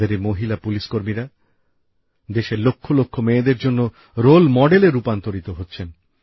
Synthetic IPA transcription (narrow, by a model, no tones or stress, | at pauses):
eɾemoɦilapuliʃkoɾmiɾa | d̪eʃelokʰːolokʰːomeed̪eɾd͡ʑonːo | ɾolmɔɖeleɾupant̪oɾit̪oɦotːɕʰen